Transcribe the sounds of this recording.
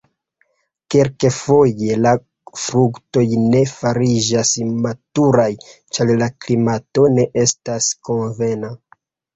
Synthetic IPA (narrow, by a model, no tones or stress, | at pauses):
kelkefo̞je̞la | fɾukto̞jne̞faɾid͡ʒasmatuɾaj | t͡ʃaɾlaklimato̞ne̞ʔe̞stasko̞nve̞na